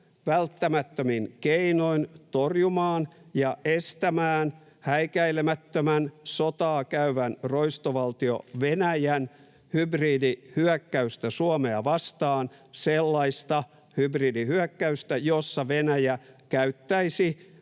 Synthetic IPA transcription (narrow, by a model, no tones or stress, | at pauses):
ʋælt̪ːæmæt̪ːøminkeinoint̪orjumɑːnjɑʔest̪æmæːn | hæikæilemæt̪ːømænsot̪ɑːkæyʋænroist̪oʋɑlt̪io̰ʋenæjæn | hybriːdihyækːæyst̪æsuomeɑʋɑst̪ɑːnselːɑist̪ɑ | hybriːdihyækːæyst̪æjosːɑʋenæjækæyt̪ːæisi